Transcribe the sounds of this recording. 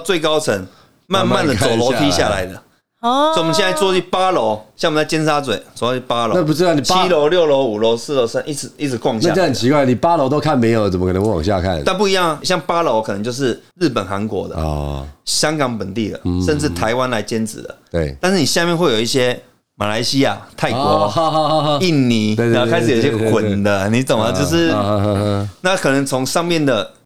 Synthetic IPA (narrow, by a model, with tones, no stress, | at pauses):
t͡swe˥˩ɪkɑ˥ʊt͡sʰə˧˥ŋ | ma˥˧nma˥˨nd̪ə˨t͡so˨˩ʊlo˧˦t̪ʰi˦˥ɕja˥˨la̰˨˦ɪd̪ə˨ | t͡so˨˩˨m˨˩ɕjɛ˥˧na˥˧ɪt͡swɔ˥˧i˥˩pa˦lo˧˦ʊɕjɑ˥˩ŋ˨˩t͡sa˥˩t͡ɕjɛ˥nʂa˦t͡swḛ˨˩ɪɔ˥˩˥i˥˩pa˦˥lo˨˧na˥˨p̬u˧ʈ͡ʂɻ̩˥ɑ˥˨ʊni˨t͡ɕʰi˦˥lo˧˦ʊljo˥˨˩ʊlo˧˦ʊu˨˩lo˧˦ʊs̩˥˧˨lo˧˦ʊsa˥nʔi˥˩t͡s̩ʰ˨˩i˥˩t͡sʰɨ˨˥˦kwɑ˥˧ŋɕt͡ɕhə˨˩nt͡ɕʰi˧kwa˥ɪ˨ni˨˩pa˦lo˧˦t̪̬o˥ʊkʰa˥˨nmẽ˧˥ɪjo˨˩ə˨t͡sə˨mə˦kə˨˩nə˧˦˧wɑ̰˨ŋɕja̰˥˧kʰa̰˥˨na˥˧npu˥˧˨i˧˦jɑ˥˩ŋ˨ɕjɑ˥˩ŋpa˥lo˧˦ʊkʰnə˧˦ŋt͡ɕjo˥˧ʊʂ̬ɻ̩˥˨ɻ̩˥˩pə˨˩nxa˧˦nkwɔ̰˧˦d̪ə̰˨ | ɕjɑ˥ŋkɑ˨˥ŋpə˨˩nt̪i˥˩d̪ə̰˩ʂə˥˧nʈ͡ʂɻ̩˥˩t̪ʰa˧˦ɪwa˦nla˧˦ɪt͡ɕjɛ˥nt͡sɻ̩˨˩d̪ə̰˩e˥˩t̪a˥˧nʂ̩˥˩ni˨˩ɕja˥˧mjɛ˥˧nxwe˥˩ɪjo˨˩ʊ˦i˥˩ɕjɛ˦˥ | ma̰˨˩la˧˦ɪɕi˦ja̰˥˨˩t̪ʰa˥˩ɪkwɔ˧˦˧i˥˩nni˧˥˨kʰa˥ɪʂɨ˨˩jo˨˦i˧ɕjɛ˥kʰwə˨˩nd̪ə˦ni˨˥t͡sə˨˩mə˨˦t͡ɕjo˥˧ʊʂɻ̩˥˧ | na˥˨kʰɤ˨˩nə˧˦ŋt͡sʰo˧˥ŋʂɑ˥˧ŋmjɛ˥˨nd̪ə˩